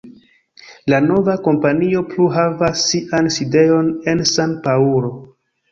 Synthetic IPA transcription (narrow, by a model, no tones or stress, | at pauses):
lano̞vako̞mpanio̞pluɦavasːiʔanside̞o̞ne̞nsanpauɾo̞